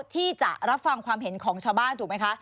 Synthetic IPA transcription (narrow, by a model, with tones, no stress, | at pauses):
t̪ʰiː˥˩t͡ɕa̰˨˩ʔɾa˦˥p̚fa˧ŋkʰwaː˧mɦe˩˦nkʰɔː˩˦ŋt͡ɕʰaː˧wbaː˥˩nt̪ʰuː˨˩ma˦˥jkʰa˦˥ʔ